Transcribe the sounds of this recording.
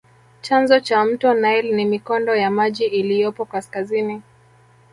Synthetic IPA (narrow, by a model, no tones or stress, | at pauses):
t͡ʃanzɔt͡ʃam̩tɔnailnimikɔndɔjamaʄiʔːlijɔpɔkaskazini